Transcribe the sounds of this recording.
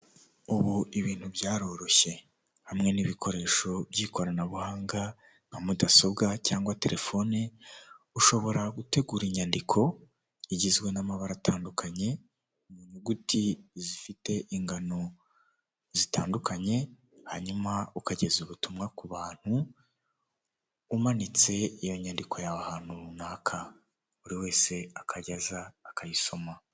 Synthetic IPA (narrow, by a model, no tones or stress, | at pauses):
uβuiβiːn̥hubjaːɾo̞ɾo̞çe̞ | hamŋe̞niβikʰo̞ɾe̞ːʃo̞bɟiːko̞ɾanaβuhaːŋɡa | ŋ̥amudaso̞bɡacaːŋɡwate̞̰ɾʔe̞fo̞ne | uʃo̞βo̞ɾaɡute̞ɡuːɾiɲandikʰo̞ | iɟizɡwe̞namaβaɾatʰaːndukʰaɲe̞ | muɲuɡutʰizifite̞ʔiŋɡano̞ | zitaːndukaɲe̞ | haɲumaukaɟe̞zuβutumŋakuβaːn̥hu | manit͡se̞ijo̞ɲandikʰo̞jaβahaːn̥hunaːkʰa | uɾiwe̞ːse̞akʰaɟazaːkʰajiʃo̞ma